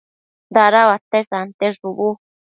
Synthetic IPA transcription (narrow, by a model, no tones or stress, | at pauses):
nd̪aɾawat̪esant̪eʐuβu